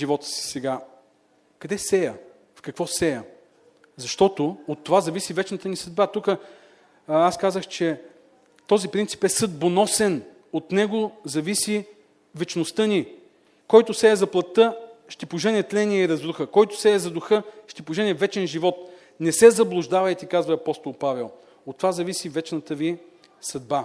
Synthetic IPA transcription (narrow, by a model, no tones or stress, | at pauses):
ʒivɔt̪ə̥si̥sɛɡa | kɐd̪ɛsɛjə | fkɐkvɔsɛjə | zɐʃt̪ɔt̪oot̪ːovazɐvisivɛt͡ʃnɐt̪ənisəd̪̚bat̪ukə | askazəxt͡ʃɛ | t̪ɔzipɾint̪si̥pɛsɤd̪̚bonɔsɛn | ot̪nɛɡozɐvisi | vɛt͡ʃnost̪ɤni | kɔjt̪ʊsɛːzɐplˠɐt̪ːɤʃt̪ipʊʒɛnɛt̪lɛniɛiɾɐzɾuxəkɔjt̪osɛɛzɐd̪ʊxɤʃt̪ipʊʒɛnɛvɛt͡ʃɛnʒivɔt̪ | nɛsɛzɐblˠʊʒd̪avɐjt̪ikazvɐːpɔst̪olˠpavɛlˠ | ot̪ːovazɐvisivɛt͡ʃnɐt̪əvi | sɐd̪̚ba